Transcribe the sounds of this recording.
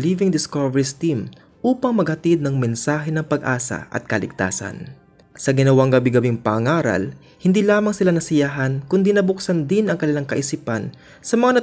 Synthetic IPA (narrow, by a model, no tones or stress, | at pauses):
livɪŋd̪ɪskovɛɹist̪im | ʔuːpɐŋmɐɡ̚hɐt̪id̪nɐŋmɛnsaːɦɛnɐŋpɐɡʔaːsɐ̰ʔɐ̰t̪̚kɐlɪɡ̚t̪a̰ːsɐ̰n | sɐɡɪnɐwaŋɡɐbiɡɐbiŋpɐɐŋaːɾɐ̰l | hɪnd̪ilaːmɐŋsɪlanɐsɪjaɦɐnkʊnd̪inɐbʊksɐnd̪ɪnɐŋkɐnɪlaŋkɐʔɪsipɐn | sɐmɐŋanɐ